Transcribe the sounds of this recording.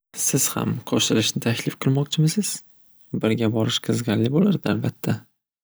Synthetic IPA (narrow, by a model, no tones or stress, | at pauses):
sɪz̥ha̰mqʰɒʃt̪ɪlɪʃnɪt̪ʰakʲʰlɪfqʰɨlˠmɒq̚t͡ʃʰɪmɪsɪz̥ | bɪɾɡʲabɒɾɪʃqʰɨzɡʲaɾlɪbolaɾd̪ɪalbat̪ʰːa